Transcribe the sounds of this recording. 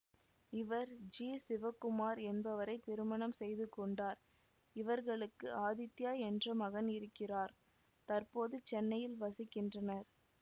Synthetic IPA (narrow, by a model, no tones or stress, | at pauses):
ɪʋɐɾd͡ʒiːsɪʋɐkːɯmaːɾɛnbɐʋɐɾɐɪt̪ɪɾɯmɐnɐmsɛjðɯkːɔɳɖaːɾ | ɪʋɐɾɣɐɭɯkːɯaːðɪt̪ːjaːɛndrɐmɐɣɐnɪɾɯkːɪraːɾ | t̪ɐrpoːðɯt͡ʃːɛnːɐjɪlʋɐsɪkːɪndrɐnɐɾ